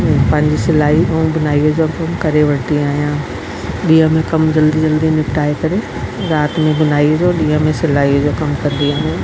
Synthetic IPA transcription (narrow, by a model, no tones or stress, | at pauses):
pɐ̃ɦɪ̃ɲd͡ʑisɪlaːiũɡʊnaːiod͡ʑokɐmkɐɾeʋɐʈ̪iaːɦijã | ɗiːɦə̃mẽkɐmd͡ʑɐld̪id͡ʑɐld̪inɪpʈaːekɐɾe | ɾaːt̪mẽɡʊnaːiod͡ʑoɗiːɦə̃mẽsɪlaːiod͡ʑokɐmkɐ̃nd̪iãmẽ